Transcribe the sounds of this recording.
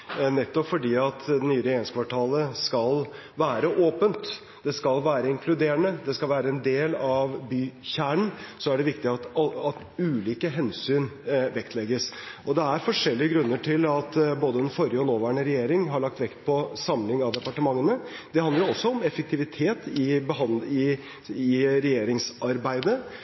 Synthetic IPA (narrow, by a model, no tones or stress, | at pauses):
nɛt̪ːɔpfɔɖiːɑt̪d̪ɛnyːəɾɛjeːɾɪŋskʰʋɑʈʰɑːləskɑlʋæːɾəʔoːpənt̪ | d̪̥ɛskɑlʋæːɾəɪŋkʰlʉd̪eːɾəɳəd̪ɛskɑlʋæːɾəɛnd̪eːlɑʋbyːçæːɳɳ̩sɔæɖɛʋɪkt̪ɪɑt̪ɑt̪ | ʉːliːkəɦɛnsyːnʋɛkt̪lɛɡəsʔɔd̪ɛæɾfɔʂɛlːɪəɡɾʉnːəʈʰɪlɑt̪boːd̪əɛnfɔɾɪəɔnoːʋæːɳəɾɛjeːɾɪŋɦɑɭɑk̚t̪ʋɛkt̪̚pʰɔsɑmlɪŋɑʋd̪ɛpɑʈəmɑŋːənə | d̪̥ɛhɑnd̪əɾʊɔsːɔɔmɛfək̚t̪ʰɪʋɪt̪ʰeːt̪ɪbəɦɑnɪ | ɪɾɛjeːɾɪŋsʔɑɾbæɪd̪ə